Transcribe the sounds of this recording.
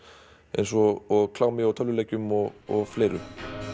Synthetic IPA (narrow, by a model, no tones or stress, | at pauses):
ɛ̰jns̬ɔɔɣkʰlaːɣmɪawt̪ʰœlːʏleːjcʏmɔɣɔɣfleːjɾʏ̰